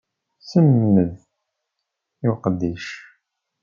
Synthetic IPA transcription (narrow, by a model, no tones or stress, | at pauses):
səmːəð | juqəd̪ːiʃ